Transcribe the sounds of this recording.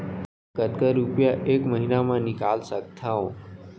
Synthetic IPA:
kət̪̚kəɾupjaʔeːkməɦinamãnɪkaːlsək̚t̪ʰaɦõː

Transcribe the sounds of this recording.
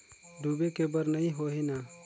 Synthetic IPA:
ɖ̪ʱuːbekebəɾnɐɦĩɦoɦina

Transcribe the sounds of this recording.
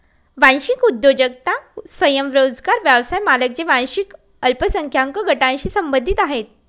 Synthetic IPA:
ʋãñɕikud̪jod͡ʑək̚t̪asʋəjəmʋɾod͡zɡaɾʋjaʋsajmalək̚d͡ʑeʋãñɕik | əlpəsəŋkʰjaŋkəɡʱəʈãnɕiːsəmbənd̪ʱit̪aɦet̪̚

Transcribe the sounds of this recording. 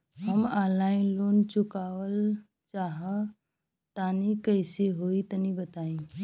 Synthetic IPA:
ɦəmalaːɪnloːnt͡ʃʊkaːwəl | t͡ʃaɦə | t̪anikəɪseɦoːit̪ənibət̪aːĩ

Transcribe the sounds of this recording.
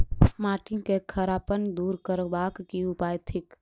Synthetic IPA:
smaːʈɪ̃ŋɡkekʰəɾaːpənd̪uːɾkəɾbaːkːiʊpaːjt̪ʰɪk

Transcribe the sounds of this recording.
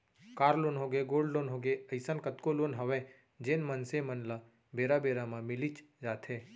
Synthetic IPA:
kaːɾlonɦoɡeɡoːlɖloːnɦoːɡeəɪsənkət̪koloːnɦəʋẽ | d͡ʒeːnmənsemənla | beːɾabeːɾamãmɪlit͡ʃd͡ʒaːt̪ʰɦẽː

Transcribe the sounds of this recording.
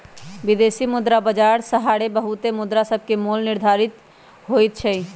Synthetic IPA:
ʋɪd̪eːsimʊd̪ɾabəd͡ʒaːɾsəɦaːɽebəɦʊt̪emʊd̪ɾasəb̚ʱkemoːlnɪɾd̪ʱaːɾɪt̪ | ɦoːit̪̚t͡ʃʰɛi

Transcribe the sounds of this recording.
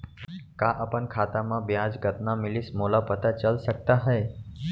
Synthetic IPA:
kãʔəpəɳkʰat̪amãbjãd͡ʒɡət̪namɪlismolapət̪at͡ʃəlʃək̚t̪aɦəje

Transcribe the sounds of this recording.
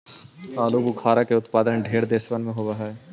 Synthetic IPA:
aːlubukʰaːɾakeʊt̪paːd̪ənɖʱeːɾd̪eːsʋənmẽɦoːʋɐɦaɦɛː

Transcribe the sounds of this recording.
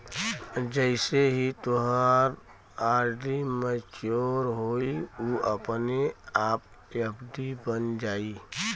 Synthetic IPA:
d͡ʒəɪseɦit̪oɦəɾ | aɾɖimət͡ʃoɾɦoiuəpneaːp̚ | jəbd̪ibənd͡ʒaːi

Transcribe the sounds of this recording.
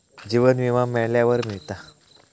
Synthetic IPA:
d͡ʑiʋənʋiʋamɛɭljaʋəɾmiɭt̪a

